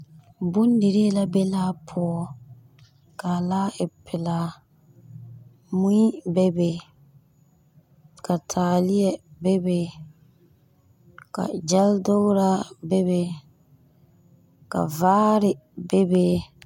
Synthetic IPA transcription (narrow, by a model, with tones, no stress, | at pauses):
bʊ˦ndɪ˨ɾi˦la˦bɛ˦laː˦pʰɔ˦ɔ˦ | ka˨laː˦ɪ˨pʰɪ˨la˨ | mu˦i˦bɛ˦be˨ | ka˨tʰaː˨li˦jɛ˦bɛ˦be˨ | ka̰˨d͡ʒa˦ldo˦ɾa˦bɛ˦be˨ | ka̰˨vaː˦ɾɪ˨bɛ˦be˦